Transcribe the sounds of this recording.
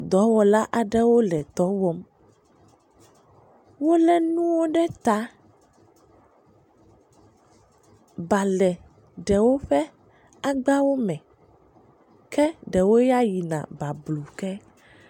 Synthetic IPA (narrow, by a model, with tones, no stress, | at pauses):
d̪ɔ˨˦wɔ˨la˦ʔa˨ɖɛ˦wo˦lɛ˨t̪ɔ˦wɔ˦m | wo˦lɛ˦nũ˦wo˦ɖɛ˦t̪a˨ | ba˨lɛ˨ | ɖɛ˨wo˦ɸɛ˦ | a˦ɡ͡ba˦wo˦mɛ̃˨ | kɛ˦ɖɛ˨wo˦ja˦ji˨nã̰˨ba˨blu˨kɛ˦